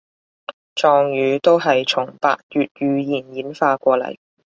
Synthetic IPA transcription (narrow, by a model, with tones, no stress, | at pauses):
t͡ʃɔː˨ŋjyː˨˧t̪o˥wɦɐ˨jt͡ʃʰʊ˨˩ŋpa̰ː˧k̚jyː˨t̚jyː˨˧jiː˨˩njiː˨˥nfaː˧kʷɔː˧lɐ̰˨˩j